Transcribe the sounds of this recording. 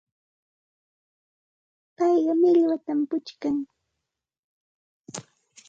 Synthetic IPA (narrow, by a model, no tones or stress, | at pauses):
pɑjɢɑmɪʎwat̪ampʊt͡ʃkaŋ